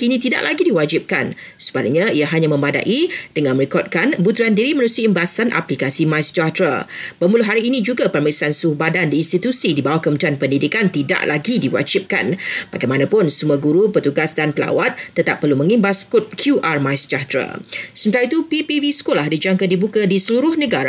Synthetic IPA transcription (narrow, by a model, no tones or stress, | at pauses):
kinĩt̪ida̰ʔlʔaɡidiwad͡ʒip̚kan | sə̥bala̰ɲãiaɦaɲãmə̃mada̰ʔid̥əŋãnmə̃ɾikɔt̚kanbut̪ɾuandiɾimə̃ɾusiimbasanʔa̰plikasimãjsd͡ʒat̪ɾa̰bəmulʊɦaɾiːnĩd͡ʒuɡapərmaisansuhbadandiːnst̪it̪usidibawahkəmənt̪ɾianpəndidikant̪ida̰ʔlaɡidiwa̰d͡ʒɪp̚ka̰nb̥aɡajmanãpʊnsumuaɡuɾupət̪uɡasdanpəla̰wat̪ːət̪ap̚ːərlumə̃ŋimbaskʊt̪̚kʰjuʔarmajsd͡ʒat̪ɾa̰səmət̪aɾait̪upipivisə̥kolahdid͡ʒaŋkadibukadisəluɾʊhnəɡaɾ